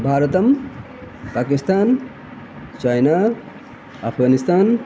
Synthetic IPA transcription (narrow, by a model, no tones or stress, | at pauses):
bʱaːɾɐt̪ɐm | paːkist̪aːn | t͡ʃajna | apʰɡaːnist̪aːn